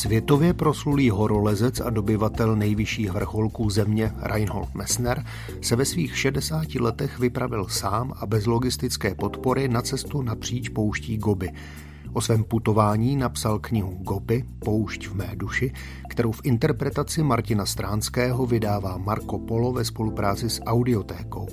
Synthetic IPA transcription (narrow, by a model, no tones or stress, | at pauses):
svjɛt̪o̞vjɛpɾo̞sluliːɦo̞ɾo̞lɛzɛt͡sa̰do̞bɪvat̪ɛlnɛjvɪʃiːxvr̩xo̞lkuːzɛmɲɛɾʔa̰jnɦo̞̰lt̪mɛsnɛɾ | sɛvɛsviːxʃɛdɛsaːcɪlɛt̪ɛxvɪpɾavɪlsaːmʔabɛzlo̞ɡɪst̪ɪt͡skɛːpo̞t̪po̞ɾɪnat͡sɛst̪unapr̝̥iːt͡ʃpo̞wʃciːɡo̞bɪ | ʔo̞svɛːmput̪o̞vaːɲiːnapsalkɲɪɦuɡo̞bɪpo̞wʃcvmɛːduʃɪ | kt̪ɛɾo̞wfʔɪnt̪ɛɾpɾɛt̪at͡sɪmaɾcɪnast̪ɾaːnskɛːɦo̞vɪdaːvaːmaɾko̞po̞lo̞vɛspo̞lupɾaːt͡sɪsʔawdɪo̞t̪ɛːko̞̰w